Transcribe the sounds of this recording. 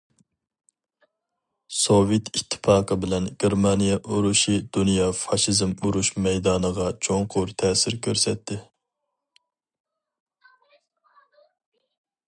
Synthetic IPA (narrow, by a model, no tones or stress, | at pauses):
sovet̪ʰit̪ʰːɪ̥pʰɑːqʰəbɪlɛnɡ̥ʲeɾmɑnijɛʔuɾuʃid̪̥unijɑfɑʃizmuɾuʃmɛjd̪ɑːnəʁɑt͡ʃʰoŋqʰʊɾt̪ʰɛːsɪɾkʲʰøɾsɛt̪ʰːɪ